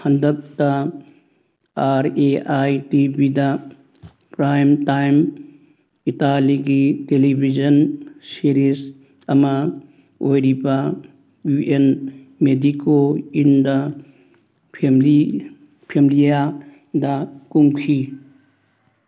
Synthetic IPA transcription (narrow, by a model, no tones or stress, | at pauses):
hɐndɐk̚tɐ | aɾeajtibidɐ | pɾajmtajm | italiɡitelibʱid͡ʒɐnsiɾis | ɐmɐ | ojɾibɐ | juʔen | medikoindɐ | mli | pʰemlija | dɐkuŋkʰi